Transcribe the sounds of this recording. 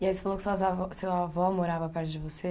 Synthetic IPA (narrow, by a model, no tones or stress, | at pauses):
iɐisfɐlˠokszavɔsewavɔmoɾavɐpɛɾt̪ud̪ɨvɔse